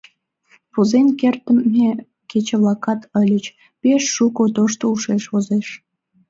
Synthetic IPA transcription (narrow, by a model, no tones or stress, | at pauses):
puzenkert̪əmːe | ket͡ɕeβlɑkɑt̪əlʲət͡ɕ | peʃːukot̪oʃt̪ouʃeʃβozeʃ